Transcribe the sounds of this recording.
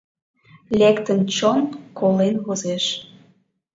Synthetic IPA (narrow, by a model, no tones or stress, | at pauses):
lʲekt̪ənt͡ɕonkolenβozeʃ